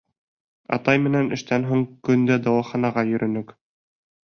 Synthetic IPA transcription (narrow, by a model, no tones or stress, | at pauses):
ɑ̰t̪ɑjmɘ̆nænɘ̆ʃt̪ænɦuɴkɵ̆nd̪æd̪ɑwɑχɑnɑʁɑjɵ̆ɾʔɵ̆nɵk